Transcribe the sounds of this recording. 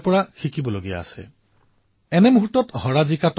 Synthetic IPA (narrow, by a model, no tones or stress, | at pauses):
pɔɹaxikibɔloɡija̰ːsɛ̰ | ɛnɛmuɦutːɔthɔɹazikat